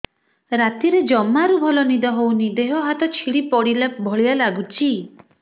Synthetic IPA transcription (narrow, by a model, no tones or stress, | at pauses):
ɾat̪iɾed͡ʒɔmːaɾubʱɔlɔnid̪ɔɦownid̪eɦɔɦat̪ɔt͡ʃʰiɽipɔɽilabʱɔɭialaɡut͡ʃʰi